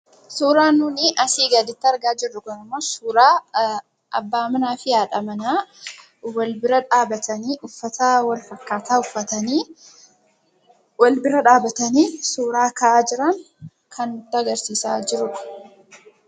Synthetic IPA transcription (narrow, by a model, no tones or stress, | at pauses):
suːɾaːnuːnɪʔɐsiːɡɐd̪ɪt̪ːɪɐɾɡaːd͡ʒɪrːʊɡɔnɐmɐsuːɾaː | ʔɐ̰bːaːmɐnaːfɪjaːᶑɐmɐnaː | wɐlbɪɾɐᶑaːbɐt̪ɐniːʔʊfːɐt̪ʰɐwɐlfɐkːaːt̪aːʊfːɐt̪ɐniː | wɐlbɪɾɐᶑaːbɐt̪ɐniːsuːɾaːkɐʔaːd͡ʒɪɾɐŋ | kʰɐnʊt̪ːɪɐɡɐɾsiːsa̰ːd͡ʒɪɾʊᶑɐ̥